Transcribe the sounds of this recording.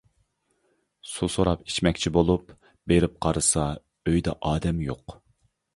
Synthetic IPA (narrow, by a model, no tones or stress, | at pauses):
susoɾɑpi̥t͡ʃmɛkʲt͡ʃʰibolˠup | beɾɪp̚qʰɑɾɨsɑ | øjd̪ɛ̰ʔɑːd̪ɛmjoq